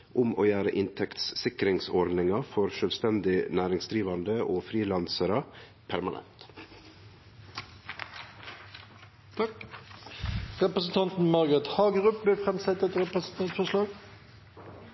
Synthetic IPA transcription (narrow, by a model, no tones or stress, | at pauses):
ʔʊmo̰ːjæːɾə̰ʔɪnt̪ʰɛkt̪ssɪkɾɪŋsɔɾd̪nɪŋɑfɔɾʃœlst̪ɛnd̪ɪnæːɾɪŋsd̪ɾiːʋɑnd̪əʔoːfɾiːlɑnsəɾɑ | pʰæɾmɑnʔɛ̰nt̪ | ɾɛpɾəsn̩t̪ʰɑnt̪n̩mɑɾɡət̪hɑːɡəɾʉːp̚blɪfɾɛmsɛt̪ɛt̪ɾɛpəsnt̪ʰɑfɔʂlɑːɡ